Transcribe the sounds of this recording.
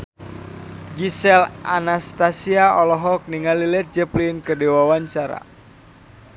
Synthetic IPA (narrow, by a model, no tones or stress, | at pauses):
ɡisɛlanast̪asiaɔlɔɦɔk̚niŋalilɛt̪̚d͡ʒəplinkədɛwawaɲt͡ʃaɾa̰